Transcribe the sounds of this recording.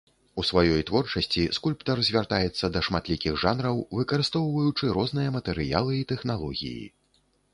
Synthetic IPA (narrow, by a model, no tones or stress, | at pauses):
usvajɔjt̪vɔrt͡ʂɐsʲt͡sʲiskulʲpt̪ɐrzʲvʲart̪ajɛt̪sːɐd̪ɐʂmat̪lʲikʲiɣʐanɾɐwvɨkɐɾɨst̪ɔwvɐjut͡ʂɨɾɔzn̪ɨjɐmɐt̪ɛɾɨja̰lˠɨit̪ɛxnalˠɔɣʲḭjḭ